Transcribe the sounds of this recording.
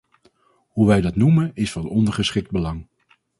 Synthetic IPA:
ɦuʋɛjdɑtnumənɪsfɑnɔndəɹχəsχɪk̚d̚bəlɑŋ

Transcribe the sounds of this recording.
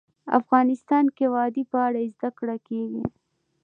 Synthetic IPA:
a̰fɣɑnɪst̪ɑnkewɑd̪ipəaɽaezd̪akɽakeɡḭ

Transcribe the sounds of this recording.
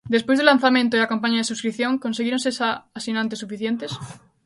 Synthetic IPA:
d̪e̞spwe̞zðelan̟θamjẽnt̪oilakampaɲaðesuskɾiθjo̞ŋko̞nseɣiɾo̞nsesaːsinãnt̪̬esufiθjẽ̞nt̪e̞s

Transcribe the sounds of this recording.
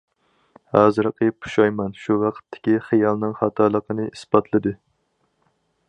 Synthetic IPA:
hɑzɨɾɨqʰəpʰu̥ʃɑjmɛnʃuwɑqʰə̥t̪ʰːɪ̥kʲiχɨjɑlˠnɨŋχɑt̪ʰɑlˠəqʰənɨisbɑt̪ʰlˠɨd̪ɨ

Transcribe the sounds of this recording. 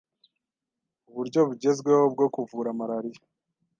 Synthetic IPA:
uβuɾɟo̞βuɟe̞zɡwe̞hob̚ɡo̞kuvuːɾamaɾaɾija

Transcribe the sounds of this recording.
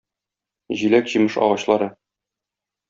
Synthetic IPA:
ʑilækʑimɤʃɒ̰ʁɑɕlˠɑɾɤ

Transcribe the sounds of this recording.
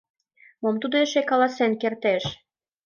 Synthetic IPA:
momt̪ud̪oeʃekɑlɑsenkert̪eʃ

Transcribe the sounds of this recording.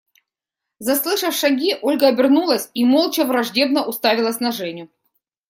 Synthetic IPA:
zɐslˠɨʂəfʂɐɡʲiʔo̞lʲɡəɐbʲɪrnulˠəsʲimolˠt͡ɕɐvɾɐʐdʲe̞bn̪əʔʊst̪avʲɪlˠəsʲnɐʐɛnʲjʊ

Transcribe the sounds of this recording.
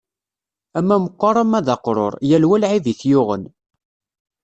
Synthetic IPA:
æmːæməqːɑɾˤɑmæðɑqɾˤo̰ɾˤjælwælʕiviθjʊʁə̰n

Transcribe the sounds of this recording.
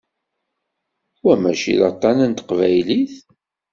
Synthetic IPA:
wæmæʃḭðɑt̪ˤːɑnənt̪ə̥qvæjliθ

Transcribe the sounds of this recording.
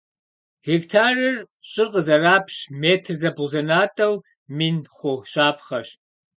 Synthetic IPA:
hektʰaːrɨr | ɕʼɪrqəzɐraːpʰɕmeːtʰrzɐbʊzɐnaːtʼɐw | minχʷʊʃaːpʰχɐɕ

